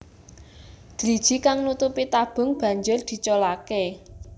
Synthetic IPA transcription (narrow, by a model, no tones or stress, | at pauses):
d̪̥ɾid̥ʒ̥i̤kaŋnut̪upit̪ab̥ʊ̤ŋb̥ä̤ɲd͡ʒʊrd̪̥i̤t͡ʃɔlake